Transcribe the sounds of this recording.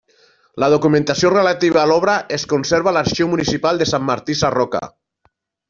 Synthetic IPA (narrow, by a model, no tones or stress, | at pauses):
lað̞okumẽnt̪asiorelat̪iβaːlɔβ̞ɾaʔeskonseɾβ̞alaɾʃiwmunisipalˠd̪esamːaɾt̪isarɔka̰